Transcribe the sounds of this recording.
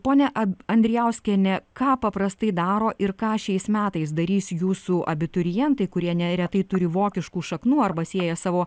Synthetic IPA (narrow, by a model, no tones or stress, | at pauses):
poːnʲɛʔɐɐnʲd̪ʲɾʲɪjɛʊsʲkʲɛnʲɛkɑːpɐpɾɐst̪ɐɪd̪ɑːɾoːʔɪɾkɑːʃʲɛɪsmʲæːt̪ɐɪsd̪ɐɾʲiːsʲjuːsuʔɐ̰bʲɪt̪ʊɾʲɪjɛnt̪ɐɪkʊɾʲiɛnʲɛɾʲɛt̪ɐɪt̪ʊɾʲɪʋoːkʲɪʃkuːʃɐknuːɐrbɐsʲeːjɛsɑːʋoː